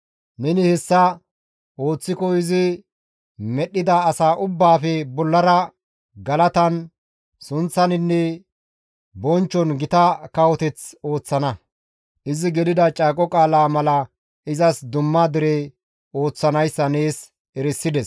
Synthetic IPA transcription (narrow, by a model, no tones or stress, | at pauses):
nɛnɪhɛsːɐ | o̞ːt͡sːɪkɔɪzɪ | mɛɗːɪd̪aːsaːʔʊbːaːfɛbɔlːɐɾɐ | ɡɐlɐt̪ɐn | sʊnt͡sːɐnɪnːɛ | bɔnt͡ʃːɔnɡɪt̪ɐkɐwɔt̪ɛt͡so̞ːt͡sːɐnɐ | ʔɪzɪɡɛlɪd̪ɐt͡ʃʼaːkʼːɔkʼaːlaːmɐlɐ | ʔɪzɐsd̪ʊmːad̪ɪɾɛ | o̞ːt͡sːɐnɐjsːɐneːs | ɛɾɪsːɪd̪ɛs